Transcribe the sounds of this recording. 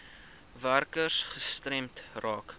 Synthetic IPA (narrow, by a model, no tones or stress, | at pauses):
værkərsχəstrɛmtrɑːk